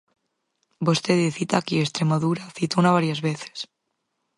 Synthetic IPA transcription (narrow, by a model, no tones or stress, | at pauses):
bost̪eðeθit̪akiest̪ɾemaðuɾaθit̪ounaβ̞aɾjazβeθe̥s